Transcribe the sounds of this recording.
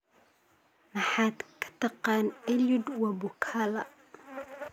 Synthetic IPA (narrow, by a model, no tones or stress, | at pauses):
mɑħaːd̪kʰɐ̥t̪ʰɑqɑːnɛlʊd̪wɑbʊkʰaːlɐ